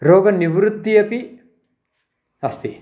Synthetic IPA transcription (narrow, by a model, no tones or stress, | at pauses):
ɾoːɡɐniʋɾud̪ʱːijɐpi | ɐst̪i